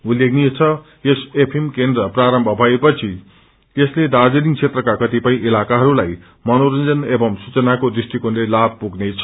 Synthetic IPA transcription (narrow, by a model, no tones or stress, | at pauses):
ulːeɡnit͡sʰʌ | jesepʰemkend̪rʌpraɾʌmbʱʌbʱaepʌt͡sʰi | t̪esled̪ad͡zeniŋɡ̚t͡sʰet̪rʌkakʌt̪ipʌĩʔilakaɦʌɾulaj | mʌnoɾʌnd͡zʌnebʌmsut͡sʌnakodisʈikonlelab̚ʱpuɡnet͡sʰʌ̥